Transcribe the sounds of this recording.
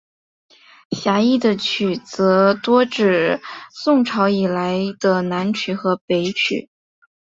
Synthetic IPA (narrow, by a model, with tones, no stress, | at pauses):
ɕja˧˥i˥˩d̪ə˩t͡ɕʰy˨˩t͡sɤ˧˥t̪wɔ˥ʈ͡ʂɻ̩˨˩sʊ˥˩ŋʈ͡ʂʰɑ˧˥ʊi˨˩la˧˥ɪd̪̥ə˧na˧˥nt͡ɕʰy˨˩xɤ˧˥pe˧˥ɪt͡ɕʰy̰˨˩˦